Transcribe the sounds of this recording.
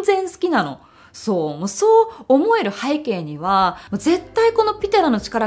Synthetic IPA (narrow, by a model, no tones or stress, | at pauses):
zẽ̞ɰ̃sɨ̥kʲinano̞̰ | so̞ːmoːso̞ːmo̞e̞ɾɯ̟haike̞ːɲ̟iβ̞amoːze̞t̪ːaiko̞no̞pʲit̪aɾano̞t͡ɕi̥kaɾa